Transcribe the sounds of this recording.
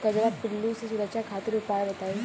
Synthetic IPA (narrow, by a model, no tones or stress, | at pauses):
kad͡ʒɐɾaːpɪlːusesʊɾəkʃakʰaːt̪ɪɾʊpaːbɐt̪aːĩ